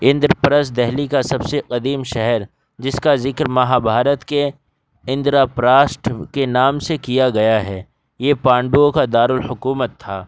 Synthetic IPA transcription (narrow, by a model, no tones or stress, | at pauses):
ɪ̃nd̪ɾpɐɾəs̬d̪ɛɦlikasɐbseqɐd̪iːmʃɛɦɛɾ | d͡ʒɪskazɪkɾmɐɦabʱaːɾət̪ke | ɪ̃nd̪ɾapɾaːsʈkenaːmsekijaɡɐjaɦɛː | jeːpãːɳɖuõkad̪aːɾʊlhʊkuːmət̪ʰːaː